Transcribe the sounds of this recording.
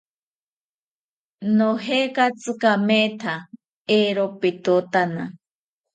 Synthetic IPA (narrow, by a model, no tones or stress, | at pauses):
noɦekat͡sɨkamet̪ʰa | eɾopit̪ut̪ana